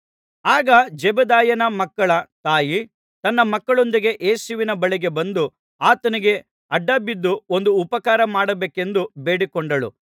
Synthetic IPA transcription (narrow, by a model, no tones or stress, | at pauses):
aːɡɐd͡ʒɛbɐd̪aːjɐnɐmɐkːɐɭɐt̪aːji | t̪ɐnːɐmɐkːɐɭo̞nd̪iɡe̞ʔeːsuʋinɐbɐɭiɡebɐnd̪u | aːt̪ɐniɡe̞ | ɐɖːaːbid̪ːuond̪uːpɐkaːɾɐmaːɽɐbeːke̞nd̪ubeːɽikɔɳɖɐɭṵ